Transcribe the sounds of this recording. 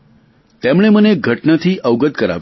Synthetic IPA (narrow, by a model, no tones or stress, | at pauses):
t̪emɭ̃eməneɡʱəʈnat̪ʰiːʔəʋɡət̪̚kəɾa̰ʋ